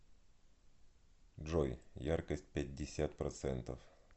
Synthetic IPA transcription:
ʐojjarkəsʲtʲpʲɛd̚ʲːɪsʲat̪pɾɐt̪sɛnt̪əf

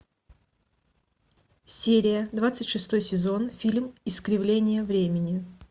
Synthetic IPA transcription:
sʲeɾʲɪjəd̪vat̪sɨtʲʂɨst̪o̞jsʲɪzo̞nfʲilʲmɪskɾʲɪvlʲenʲɪjəvɾʲemʲɪnʲɪ

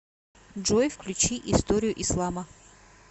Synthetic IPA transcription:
ʐojfklʲut͡ɕiʔist̪oɾʲɪjʊʔislˠamə

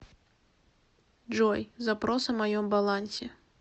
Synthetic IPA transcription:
d͡ʐɔjzapɾɔsɐmajɔmbalˠanʲsʲɛ

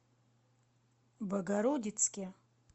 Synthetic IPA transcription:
baɡaɾodʲit͡sʰkʲɪ

